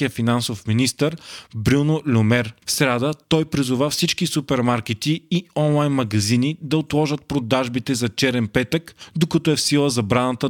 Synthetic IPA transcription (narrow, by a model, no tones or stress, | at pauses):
ijəfinansofminist̪əɾbɾʲunolʲomɛɾfsɾad̪ət̪ɔjpɾizʊvafsit͡ʃkisupɛɾmaɾk̟ɛt̪iːɔnlˠajnmɐɡɐzinid̪ɐot̪lˠɔʒət̪̚pɾod̪aʒbit̪ɛzɐt͡ʃɛɾɛnpɛt̪əkd̪okɐt̪ɔɛfsilˠəzɐbɾanət̪ə